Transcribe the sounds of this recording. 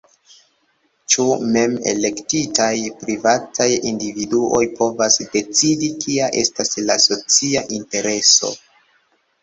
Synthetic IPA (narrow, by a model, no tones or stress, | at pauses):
t͡ʃume̞me̞̰le̞ktitajpɾivatajindividuʔo̞jpʰo̞vasde̞t͡sidikʰiaʔe̞̰staslaso̞t͡siaʔinte̞ɾe̞so̞̰